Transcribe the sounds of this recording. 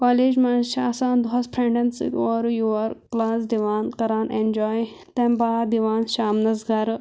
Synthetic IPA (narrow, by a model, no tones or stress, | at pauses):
kaːleːd͡ʒmaːnʃaːsãːnd̪ɐspʰɾẽɳɖɐnsḭkoːɾjuɐɾklaːsd̪iʋaːnkɐɾaːnẽnd͡ʒɔːj | t̪ẽmbaːd̪iʋaːnʃaːmnɐsɡaɾ